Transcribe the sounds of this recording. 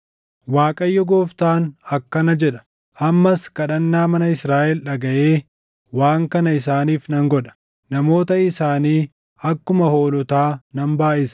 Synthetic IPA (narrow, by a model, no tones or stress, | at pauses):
waːkʼɐjːɔɡoːft̪aːnɐkːɐnɐd͡ʒɛᶑɐ̥ | ʔɐmːɐskɐᶑɐnːaːmɐnɐɪsɾaːʔɛlᶑɐɡɐʔeː | waːŋkɐnɐɪs̬aːniːfnɐŋɡɔᶑɐ̥ | nɐmo̞ːt̪ɐɪsaːniː | ɐkːʊmɐho̞ːlɔt̪aːnɐmbaːʔɪsɐ̥